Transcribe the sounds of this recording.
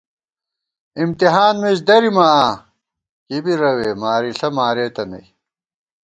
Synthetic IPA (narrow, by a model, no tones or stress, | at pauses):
imt̪iɦaːnmed͡ʑd̪ɐɾimaaː | kibiɾɐweːmaːɾiɬɐmaːɾeːt̪ɐnɐ̰j